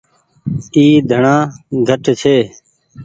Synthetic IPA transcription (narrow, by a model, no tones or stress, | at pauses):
iːd̪ʱəɳãːɡʱəʈt͡ʃʰeː